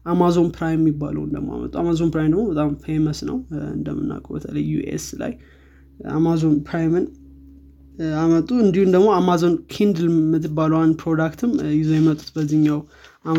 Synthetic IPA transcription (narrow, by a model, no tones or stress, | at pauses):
ʔamazo̞npɾajmːibːa̰lə̰wnd̪ə̰ɡmo̰a̰mə̰t̪ʼuamazo̞npɾajmd̪əɡmo̞bət̪ʼamfejməsnə̰wɨ̰nd̪əmɨnːa̰kʼəbə̰t̪ʰələjːṵḛsla̰j | a̰mazo̞npʰɾajmɨn | amət̪ʼːuɨnd̪ihund̪əɡmo̞amazo̞nkʰind̪lmɨt̪ʰːɨbːaləwand̪pʰɾo̞d̪akt̪ʰɨmjɪzojɛmət̪ʼːu̥t̪bəzɨɲːaw | ʔa